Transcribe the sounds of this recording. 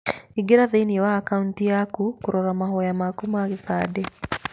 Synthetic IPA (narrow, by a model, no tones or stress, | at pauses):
iɡeɾaðeniwaːkauntijakukuɾoɾamaɦɔjamakumakiθadɛ